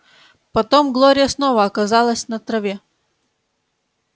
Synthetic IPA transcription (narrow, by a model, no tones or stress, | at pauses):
pɐt̪omɡlˠoɾʲɪjəsnovəɐkɐzɑlˠəsʲnɐt̪ɾɐvʲe